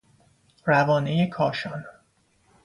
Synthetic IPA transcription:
rævɒːnejekʰɒːʃɒːn

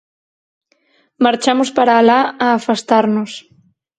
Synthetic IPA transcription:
maɾt͡ʃamʊspaɾaːlaːfast̪aɾnos

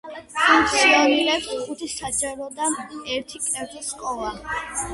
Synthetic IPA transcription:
umt̪laɾiɾɛpsχut̪ʰisad͡ʒaɾɔd̪aɛɾt̪ʰikʼɛɾd̪iskʼɔla

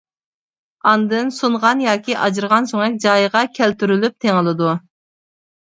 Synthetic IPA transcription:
ɑnd̪ɨnsuɴʁɑnjɑːkʲʰiʔɑd͡ʒɨɾʁɑnsoŋɛk̚ʲd͡ʒɑjəʁɑkʲʰɛlt̪yɾylyp̚t̪ʰeŋɨlˠɨd̪u

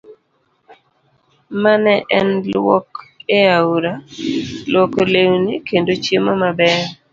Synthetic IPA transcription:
manɛʔɛnlwɔkeauɾalwɔkolewnikendot͡ʃjemɔmabɛɾ

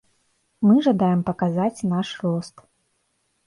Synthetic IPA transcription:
mɨʐad̪ajɛmpɐkazat͡sʲnaʂrɔst̪

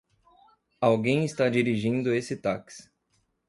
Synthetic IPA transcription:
awɡẽj̃ɪst̪ad͡ʒiɾiʒĩnd̪ʊesɪt̪aks

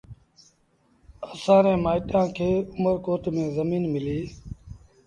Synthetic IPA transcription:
əsãːɾẽːmaːɪʈjãːkʰeːʊməɾkoːʈ̪mẽːzəmiːnmɪliː

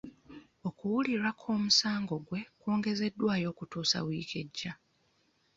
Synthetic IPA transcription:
o̞kuwuliɾakʰo̞ːmusaːŋɡo̞ɡwe̞koːŋɡe̞ze̞dːwaːjo̞ːkutuːsa̰wiːkʰe̞ɟːa

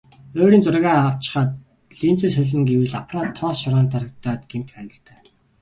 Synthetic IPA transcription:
oːɾiːnt͡sʊrɣaːaə̆wt͡ɕɪ̥̆χaːt̪̚ | ɮiːnt͡sɘ̆sɵɮɘ̆ŋɡewɘ̆ɮapraːt̪ʰːɔːsʃɔɾaːnt̪ʰaɾə̆kt̪aːt̪ɡem̥t̪xœnʲɞ̆ɬt̪ʰœː

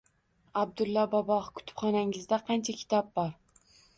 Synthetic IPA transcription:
ab̚d̪ʊlˠːɒbɒbɒhkʰʊ̥t̪ʰɪ̥pχɒnaŋɪzd̪aqʰɑnt͡ʃʰakʲʰɪ̥t̪ʰɒp̚bɒɾ

